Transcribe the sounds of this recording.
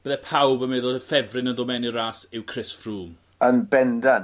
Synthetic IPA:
b̥əðɛpʰawbəmɛðɔəfɛvrɪnəndɔmɛnɪɾaːsɪwkʰrɪsfruːm | ənbɛndan

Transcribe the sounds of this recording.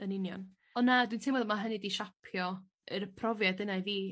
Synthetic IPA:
ənɪnjɔ̰n | ɔnːadwintʰɪmɔðmaɦənɨdiʃapʰjɔ | əɾəpʰrɔvjadənajviː

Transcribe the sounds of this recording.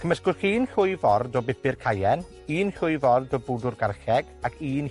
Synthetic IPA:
kʰəməskʊrχiːnɬʊɨvɔrdɔbɪpɪrkʰajɛn | iːnɬʊɨvɔrdɔbʊdʊrɡarɬɛɡ̥akʰiːn

